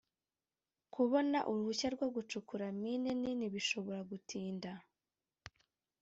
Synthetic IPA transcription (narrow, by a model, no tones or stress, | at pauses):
kʰuβo̞naʔuɾuhuçaɾɡwoɡut͡ʃukuɾamineniniβiʃo̞βo̞ɾaɡutʰiːnda